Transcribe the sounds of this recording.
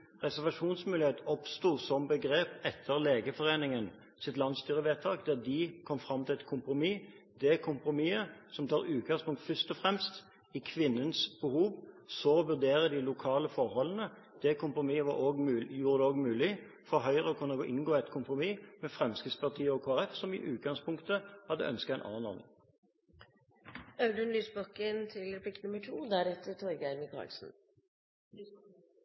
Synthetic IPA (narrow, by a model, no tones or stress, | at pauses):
ʁɛsæʁʋɑʂuːnsmʉːlɪheːt̪ɔpst̪uːsɔmbəɡɾeːpɛt̪ʰːəʁleːɡəfɔʁeːnɪŋən | sɪt̪lɑnst̪yːʁəʋeːt̪ʰɑːkd̪æd̪ɪkʰɔmfʁɑmːt̪ʰɪlɛt̪kʰʊmpɾʊmiː | d̪ɛkʰʊmpɾʊmiːəsɔmt̪ʰɑːʁʉːt̪̚ɡɑŋspʰʊŋk̚t̪fœst̪ɔfɾɛmst̪ | ɪkʰʋɪnːənsb̥əhuːʋsɔʋʉʁd̪eːʁəd̪ɪlʊkʰɑːləfɔʁhɔlənə | d̪̥ɛkʰʊmpɾʊmiːəʋɑɾoːɡjuːʁəd̪ɛoːɡmʉːlɪ | fɔɾɦœʏʁəɔkʰʉnːəɡoʔɪŋɡoːɛt̪kʰʊmpɾʁʊmiːmɛfʁɛmskɪspɑʁt̪ʰiːəɔkʰoːæʁɛfsɔmɪ̰ʔʉːt̪̚ɡɑŋspʰʊŋkt̪əhɑd̪ːə̰œ̰nskət̪ɛɪnʔɑ̰ːnɔ̰ʁnɪ̰ŋ | ɑʉd̪ənlyːsbɔkənt̪ʰɪlɾɛpʰlɪk̪nʉməʈʰuːd̪æɾɛt̪ːəʈ̪ʰɔɾɡæɾmɪkʰɑ̰lsn̩